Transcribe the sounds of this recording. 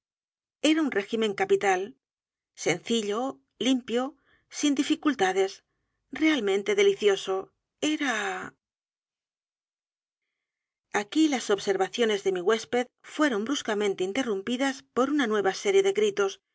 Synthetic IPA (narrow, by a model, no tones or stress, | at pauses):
eɾaunre̞ximẽ̞ŋkapit̪al | se̞nθiʎo̞ | limpjo̞ | sind̪ifikult̪aðe̞s | re̞almẽ̞nt̪e̞ðe̞liθjo̞so̞ | e̞ɾa | akilaso̞βse̞ɾβaθjo̞ne̞zðe̞miɣwe̞spe̞ðfwe̞ɾo̞mbɾuskamẽ̞nt̪e̞int̪e̞rumpiðaspo̞ɾunanwe̞βase̞ɾje̞ðe̞ɣɾit̪o̞s